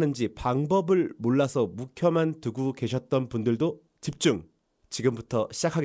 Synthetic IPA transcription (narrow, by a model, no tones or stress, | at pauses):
nɯnd͡ʑipaŋbʌbɯɭmoɭːasʰʌmukʰjʌmantuɡuke̞ɕʰʌt̚t͈ʌnpundɯɭdo | t͡ɕip̚t͡ɕ͈uŋ | t͡ɕiɡɯmbutʰʌɕʰid͡ʑakʰaɡe